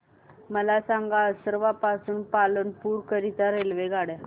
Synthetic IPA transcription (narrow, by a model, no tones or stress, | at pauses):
məlasaŋɡasəɾʋapasuːnpalənpuːɾkəɾit̪aɾelʋeɡaɽja